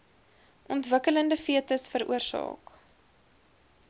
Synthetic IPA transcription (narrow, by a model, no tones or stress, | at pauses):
ʔɔntvəkələndəfiətəsfəɾṵərsɑ̰ːk